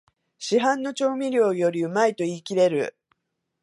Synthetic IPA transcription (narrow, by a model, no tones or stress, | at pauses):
ɕiɦãnːo̞t͡ɕo̞ːmʲiɾʲo̞ːjo̞ɾʲiɯ̟mait̪o̞iːkʲiɾe̞ɾɯ̟̰